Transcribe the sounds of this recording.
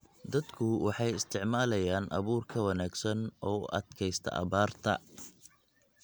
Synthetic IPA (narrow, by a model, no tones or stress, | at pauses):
d̪ɐd̪kʰʊwɑħɑjɪst̪ʰɪʕmaːlɐjaːnʔɐ̰βuːrkʰɐwɑnaːɡsɐnʔɔːʔɐ̰d̪̥kʰɛjst̪ʰɐ̰ʔɐ̰βaːrt̪ʰɐ̰